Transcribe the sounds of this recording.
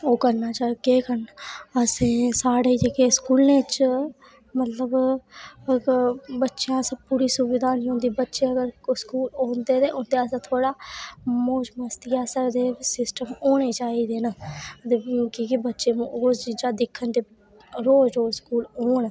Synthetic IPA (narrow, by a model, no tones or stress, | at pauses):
oːkəɾnaːt͡ʃaːkeːkəɾnəsẽːsaːɽeːiːd͡ʒekeːskuːlneːt͡ʃ | mət̪ləb | bətːʃejãːsəpuːɾiːsʊʋɪd̪ʱaːnɦõːnd̪iːbətːʃeːəɡəɾskuːlõːnd̪eːt̪eːʔõːnd̪eːəsẽːt̪ʰoːɽaːmoːd͡ʒməst̪ijaːsəd̪eːsɪsʈəmoːneːt͡ʃaːiːd̪eːnaət̪eːõːkiːkibətːʃeːmũːosd͡ʒid͡ʒaːd̪ɪkʰːənd͡ʒ̪eː | ɾoːd͡ʒoːskuːloːɳ